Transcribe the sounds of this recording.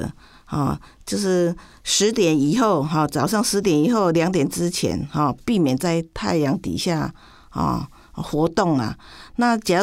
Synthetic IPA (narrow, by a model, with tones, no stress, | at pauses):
hɔ̰˥˧ | t͡ɕjo˥˧ʊʂɻ̩˥˩ | ʂɻ̩˧˥t̪jɛ˨˩ni˨˩xo˥˩ʊɦɔ˥˨˩t͡sɑ˨˩ʊʂɑ˥˩ŋʂɻ̩˧˥t̪jɛ˨˩˦ni˨˩xo˥˩ʊljɑ˧˥ŋt̪̬jɛ˨˩nt͡sɻ̩˥t͡ɕʰjɛ̰˧˥nhɔ˥˨pi˥˩mjɛ˨˩nt͡sa˥˧ɪt̪ʰa˥˩ɪjɑ˧˥ŋt̪ḭ˨˩ɕja˥˩ | hɔ̰˨˩ | xwɔ˧˥t̪o˥˩ŋla̰˨˩na˥˧t͡ɕa˨˦